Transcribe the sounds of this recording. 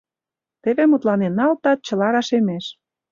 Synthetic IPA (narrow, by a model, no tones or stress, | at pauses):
t̪eβemut̪lɑnenːɑlt̪ɑt̪̚t͡ɕə̆lɑɾɑʃemeʃ